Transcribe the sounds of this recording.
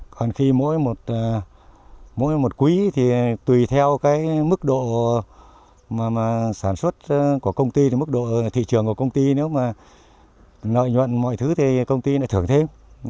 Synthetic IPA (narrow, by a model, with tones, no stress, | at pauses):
kɔ˨˩nxi˧mo̰˧˥jmo˨˩t̚ː | mo̰˧˥jmo˨˩t̚kwi˨˦t̪ʰi˨˩t̪wi˨˩t̪ʰɛ˧wkaː˨˦jmɨ˦˥k̚ɗo̰˧˨ | maː˨˩maː˨˩saː˧˩nswə˦˥t̚ku˧˩əkə˧wŋ͡mt̪i˧t̪i˨˩mɨ˦˥k̚ɗo̰˧˨t̪ʰḭ˧˨t͡ɕɨ˨˩əŋku˧˩əkə˧wŋ͡mt̪i˧ne˨˦wmaː˨˩ | nə̰˧˨jɲwə̰˧˨nmɔ̰˧˨jt̪ʰɨ˨˦t̪ʰi˨˩kə˧wŋ͡mt̪i˧na̰ː˧˥t̪ʰɨ˧˩əŋt̪ʰe˧m